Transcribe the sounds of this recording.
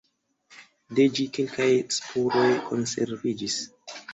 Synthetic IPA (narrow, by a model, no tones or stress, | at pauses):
ded͡ʒike̞lkajspʰuɾo̞jkʰo̞̰nse̞̰ɾvid͡ʒis